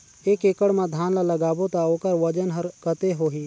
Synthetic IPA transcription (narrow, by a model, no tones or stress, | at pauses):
eːkeːkəɽmãd̪ʱaːnlaləɡaːbot̪aoːkəɾʋəd͡ʒənɦəɾkət̪eɦoːɦiː